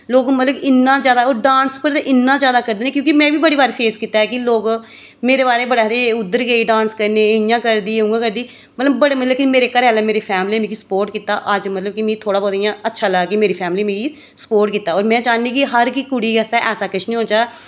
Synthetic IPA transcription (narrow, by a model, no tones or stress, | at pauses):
loːɡmət̪ləbɪnːãːzjaːd̪aːoːɾɖãːnspəɾt̪eːʔɪnːãːzjaːd̪aːkəɾd̪eːneːkjõːkimɛ̃ːbiːbəɽiːbaːɾepʰeːskiːt̪aːɛːkɪloːɡ | meːɾeːbaːɾeːbəɽaːɾeːʊd̪ːəɾɡeiːɖãːnskəɾneːɪjãːkəɾd̪iːɦũːɡãːkəɾd̪iː | mət̪ləbːəɽeːmət̪ləkɪmeːɾeːkəɾɛːlɛːmeːɾeːpʰɛːmliːɛːmĩːɡisə̥poːɾʈkiːt̪aːʔəd͡ʒmət̪ləbkimĩːt̪ʰoːɽaːboːd̪ijãːətːʃʰaːləɡkɪmeːɾiːpʰɛːmliːmẽːɡi | sə̥poːɾʈkiːt̪ːaːɔːɾmɛ̃ːd͡ʒaːnĩːkɪɦəɾkikʊɽiːɡɛst̪aʔɛːsaːkɪʃʰnĩɦõːd͡ʒaː